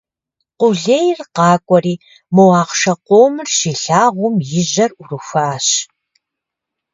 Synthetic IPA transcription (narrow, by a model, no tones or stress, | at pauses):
qʊɮeːjrqɑːkʷʼɔɾiː | mowɑːqʃɐqʷoːmɨrʃiːɬaːʁʷʊmjɪʑɐrʔʊrɨxʷaːɕ